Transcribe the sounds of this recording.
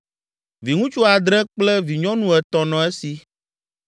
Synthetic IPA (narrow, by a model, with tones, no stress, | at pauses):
vi˨ŋũ˦t͡ʃu˦a˨d̪ɾɛ̃˦k͡plɛ˦vi˨ɲɔ̃˦nũ˦ɛ˨t̪ɔ˨nɔ̃˨e˦si˨